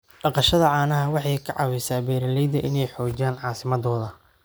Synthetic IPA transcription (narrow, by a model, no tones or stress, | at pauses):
ɖɑqɑʃɐðɐʕɑːnɐɦɐwɑħɑjkʰɐʕɑ̰wɛjsaːbɛːɾɐlɛjd̪ɐʔɪnɛjħɔːt͡ʃaːnʕɑːsɪmɐd̪ɔːðɐ